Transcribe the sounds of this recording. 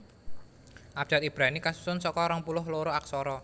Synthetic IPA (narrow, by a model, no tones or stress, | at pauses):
ʔab̥̚d͡ʒ̥at̪̚ib̥ɾanikasu̥sʊnsɔkɔɾɔŋpulʊɦloɾoak̚sɔɾɔ